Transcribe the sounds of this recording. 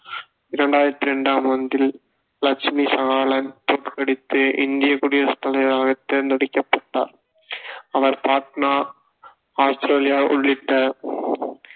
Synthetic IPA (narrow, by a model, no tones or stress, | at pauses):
ɪɾɐɳɖaːjɪɾɐt̪ːɪɾɛɳɖaːmʋɐnd̪ɪl | lɐkt͡ʃmiːsɐɣaːɭɐnt̪oːʈkɐɽɪt̪ːɯʔɪ̰nd̪ɪjɐkʊɽɪjɐst̪ːɐlɐɣɐɾaːɣɐt̪ːeːɾnd̪ɐɽɪkːɐpːɐʈːa̰ːɾ | ɐʋɐɾpaːknaː | aːst̪ɾeːlɪjaːʔʊ̰ɭːɪʈːɐ